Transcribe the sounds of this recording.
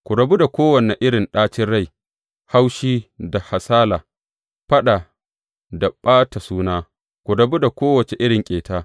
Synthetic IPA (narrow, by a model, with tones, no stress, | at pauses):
kʷu˨ɽɐ˨bu˦da˨kʷoː˦wɐ˨nɛ˨ʔɪ˦ɽɪ˨nɗaː˦t͡ʃɪ˦nɽa˦˨j | ha˦wʃiː˦da˨ha˨saː˦laː˨ | ɸɐ˦ɗa˨ | da˨ɓaː˦ta˨suː˦naː˦ | kʷu˨ɽɐ˨bu˦da˨kʷoː˦wɐ˨t͡ʃe˨ʔɪ˦ɽɪ˨ŋkʲʼeː˨taː˦